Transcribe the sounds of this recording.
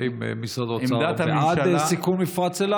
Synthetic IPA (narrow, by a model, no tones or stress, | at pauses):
im̰misad̪ot͡saaaddsikumːifʁat͡sela